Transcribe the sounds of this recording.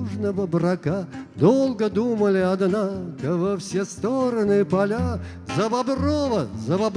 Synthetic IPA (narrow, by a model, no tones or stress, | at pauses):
ʐnəvəbrɐkad̪olˠɡəd̪uməlʲɪɐd̪nakəvɐfsʲest̪oɾənɨpɐlʲa | zəbɐbrovəzəbɐb